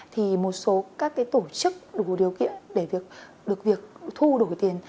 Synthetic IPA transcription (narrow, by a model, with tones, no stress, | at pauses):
t̪ʰi˨˩mo˨˩t̚so˨˦kaː˦˥kːaː˨˦jt̪o˧˩t͡ɕɨ˦˥k̚ɗu˧˩ɗi˨˩əwkḭ˧˨ənɗe˧˩vi˨˩ək̚ | ɗɨ˨˩ək̚vi˨˩ək̚t̪ʰu˧ɗo˧˩jt̪i˨˩ən